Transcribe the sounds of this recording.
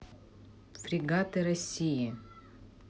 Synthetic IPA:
fɾʲiɡat̪ɨɾɐsʲiji

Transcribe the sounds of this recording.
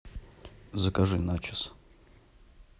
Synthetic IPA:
zəkɐʐɨnat͡ʃɪs

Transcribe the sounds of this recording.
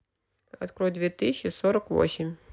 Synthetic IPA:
ɐ̰t̪kɾɔjd̪vʲet̪ɨsʲɕːɪsoɾəkvo̰sʲɪmʲ

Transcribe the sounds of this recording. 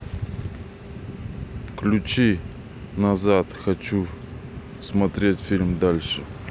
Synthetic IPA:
fklʲʊt͡ɕi | nɐzat̪xɐt͡ɕu | smɐt̪ɾʲetʲfʲilʲmd̪alʲʂɨ

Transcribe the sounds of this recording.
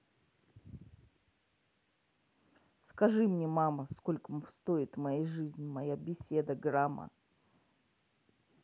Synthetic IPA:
skɐʐɨmnʲemaməsko̞lʲkəmfst̪oɪt̪mɐjejʐɨzʲnʲɪmɐjabʲɪsʲe̞d̪əɡɾamə̰

